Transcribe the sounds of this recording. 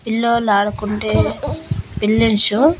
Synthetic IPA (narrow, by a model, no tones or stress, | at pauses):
pilːoːlaːɾɐkuɳʈeː | pilːinsu